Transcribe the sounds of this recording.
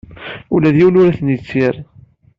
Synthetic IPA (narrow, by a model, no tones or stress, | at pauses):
ulæðjiwənʊɾæθnit͡sːiɾ